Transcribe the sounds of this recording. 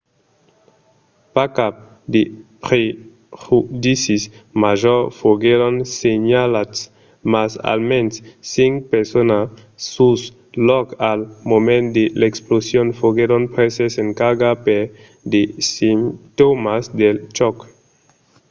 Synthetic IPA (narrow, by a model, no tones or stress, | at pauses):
pakap̚ | d̪epɾe | hud̪isismaʒoɾfoɡeɾonseɲalas | masa̰lmensːiŋkpeɾsona | us | lɔkalmomend̪eleksplosjonfoɡeɾonpɾeseseŋkaɡapeɾ | d̪esimt̪omasd̪elt͡ʃɔk